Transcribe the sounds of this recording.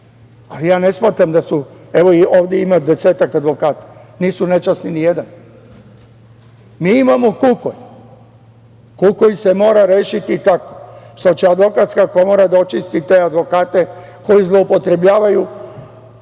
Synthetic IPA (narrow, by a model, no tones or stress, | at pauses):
alijaːne̞smaːt̪ɾamd̪asue̞ʋo̞ioːʋd̪jeimad̪e̞seːt̪akad̪ʋo̞kaːt̪ḁniːsune̞t͡ʃasninije̞d̪an | miːimamokukoj | kukojise̞mo̞ːɾaɾeːʃit̪it̪ako̥ʃt̪o̞t͡ɕead̪ʋo̞kat̪skako̞moɾad̪aot͡ʃist̪it̪e̞ːad̪ʋo̞kaːt̪e̞ | ko̞jizlˠo̞upo̞t̪ɾe̞bʎaːʋaju